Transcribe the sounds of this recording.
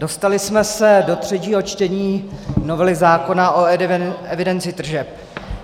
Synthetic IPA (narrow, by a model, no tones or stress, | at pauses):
do̞st̪alɪsmɛsɛdo̞t̪r̝̥ɛciːɦot͡ʃt̪ɛɲiːnovɛlɪɣzaːko̞naʔoɛvɪdɛnt͡sɪt̪r̩ʒɛp̚